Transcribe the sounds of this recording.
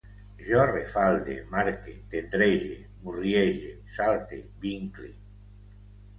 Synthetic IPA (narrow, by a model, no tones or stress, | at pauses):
ʒɔrefald̪ḛmaɾket̪et̪ɾeʒe | murjeʒe | salt̪ebiŋklḭ